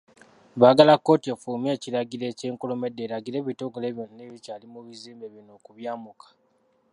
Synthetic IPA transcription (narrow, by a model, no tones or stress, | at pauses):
βaːɡalakːo̞ːtiefuːme̞ːciɾaɡiɾe̞ːce̞ːŋkolo̞me̞dːeːɾaɡiɾe̞ːβitoɡole̞ːβjonaneːβicaːlimuβiziːmbeβino̞ːkuβjaːmukḁ